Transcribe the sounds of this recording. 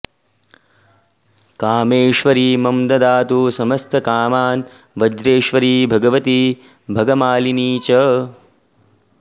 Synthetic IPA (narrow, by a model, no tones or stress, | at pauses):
kaːmeːʃʋɐɾiːmɐmd̪ɐd̪aːt̪usɐmɐst̪ʰɐkaːmaːn | ʋɐd͡ʒɾeːʃʋɐɾiːbʱɐɡɐʋɐt̪i | bʱɐɡɐmaːliniːt͡ʃɐ